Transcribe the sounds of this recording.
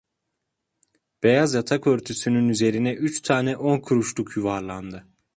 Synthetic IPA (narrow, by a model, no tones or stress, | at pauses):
b̥e̞jazjat̪ʰakøɾt̪ʰysynynyze̞ɾinɛʔyt͡ʃt̪ʰaːnɛʔo̞nkʰuɾuʃlˠukʰjuvaɾlˠand̪ɯ